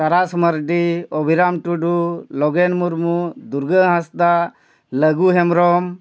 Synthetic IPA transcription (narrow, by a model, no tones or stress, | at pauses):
t̪aɾasməɾɖiobʱiɾamʈuɖulɔɡenmuɾmud̪uɾɡəɦãsd̪a | ləɡuɦɛmɾɔm